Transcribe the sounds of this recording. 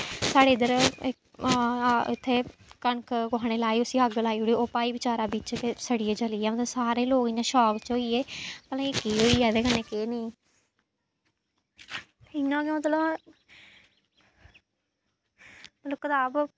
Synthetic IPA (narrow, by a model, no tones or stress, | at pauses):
saːɽeːɪd̪əɾ | ɪ̰t̪ʰːeːkəɳkʰkʊɦaːñeːlaːiːʊsiːəɡlaːiːoɽiːoːpaːiːbɪt͡ʃaːɾaːbit͡ʃkesəɽieːt͡ʃəliːɛːmət̪ləbsaːɾeːloːkɪãːʃɔːkt͡ʃoːiːeːpəlãːikiːɦoːiːɛːd̪eːkənːeːkeːneĩː | ɪnãːkẽːmət̪ləm | mət̪ləb̚kət̪aːb